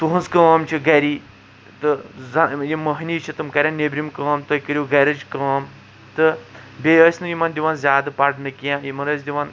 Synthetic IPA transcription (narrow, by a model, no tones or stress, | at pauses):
t̪uɦɐnzkaːmt͡ʃʰiɡɐɾiː | t̪ɨzɐjimɐɦnʲiːt͡ʃʰit̪ɨmkɐɾʲjãːnebɾimkãːmt̪oikəɾʲjiːɡɐɾɐd͡ʒkaːm | t̪ɨbʲeəsnɨjimɐnd̪ʲiʋaːnzʲjaːd̪ɨpɐʈnɨkijãːjimɐnɐs̬d̪ʲiʋan